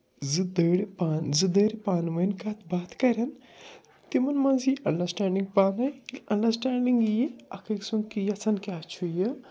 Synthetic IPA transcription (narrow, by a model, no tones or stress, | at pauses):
zɨd̪əːɽpanzɨd̪əːɾpaːnmɐnkat̪ʰbaːt̪kɐɾɐn | t̪imɐnmɐ̃nziʔɐɳɖɐɾsʈaːɳɖiŋɡpaːnɐiɐɳɖɐɾsʈaːɳɖiŋɡjiɐ̰kʰɐksunkijɐt͡sʰɐnkʲaːt͡ʃʰujə